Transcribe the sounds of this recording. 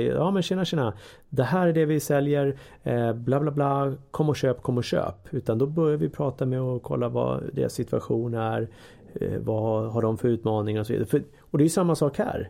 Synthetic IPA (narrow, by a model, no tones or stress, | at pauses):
jɑːmɛnʃeːnaʂeːna | d̪ɛhæːɾæɖɛvɪsɛljəɾ | blɑːblaːblɑːkʰɔmːɔɕøːpkʰɔmːɔɕø̰ːpʉ̟ːt̪and̪ɔbœɾjaɾvɪpʰɾɑːt̪amɛɔkʰɔ̰lːavɑ̰d̪ḛːɾa̰sːɪt̪ʰɵaɧuːnæɾ | vaɦaɖɔmfœɾʉ̟ːt̪mɑːnɪŋaɾɔsɔvḭd̪aɾəfœ | ɔd̪ɛːjɵsamːasɑːkhæ̰ːɾ